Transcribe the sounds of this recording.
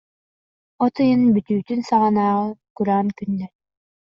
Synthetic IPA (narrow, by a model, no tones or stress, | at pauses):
ɔt̪ɯjɯnbyt̪yːt̪ynsaʁanaːʁɯkuɾaːnkynːɛɾ